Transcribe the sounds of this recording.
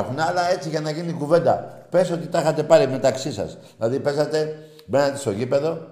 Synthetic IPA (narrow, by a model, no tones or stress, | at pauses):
xunɐlɐe̞t͡siʝɐnɐʝinikuve̞nd̪ɐ̰pe̞so̞t̪it̪ɐxɐt̪e̞pɐlime̞t̪ɐksisɐ̰sðilɐðipe̞sɐt̪e̞ | be̞nɐt̪est̪o̞ʝipe̞ðo̞